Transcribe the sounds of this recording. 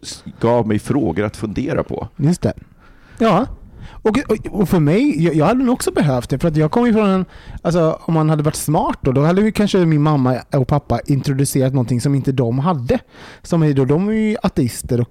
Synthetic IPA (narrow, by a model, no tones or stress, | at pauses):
ɡ̥ɑːvmɛjfɾoːɡəɾa̰t̪fɵnd̪eːɾa̰pʰɔ̰jɵst̪ʰɛ̰ | jɑːɔkɔfœɾmɛjjɑjɑːɡhad̪ːdnuːɔksɔbɛɦœːft̪̚d̪ɛfœɾat̪̬jɑːɡ̚kʰɔmːjɵfɾɔnɛnals̬ɔɔmhanhad̪ːəvaʈːsmɑːʈ̚d̪oːd̪ɔhad̪ːɛmjɵkʰanʂəmɪnmamːaɔkpʰapːaʔɪnt̪ɾʊd̪ɵseːɾat̪nɔnt̪ɪŋsɔmɪnt̪əd̪ɔmɦad̪ːəsɔmɛd̪od̪ɔmæɾjɵʔat̪ɛɪst̪əɾɔk